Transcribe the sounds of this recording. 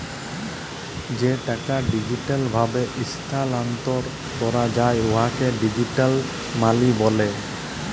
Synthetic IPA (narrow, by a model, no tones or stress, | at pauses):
d͡ʑeʈakaɖid͡ʑiʈalbʱabeʔist̪ʰalant̪ɔɾ | kɔɾad͡ʑajoɦakeɖid͡ʑiʈal | malibɔle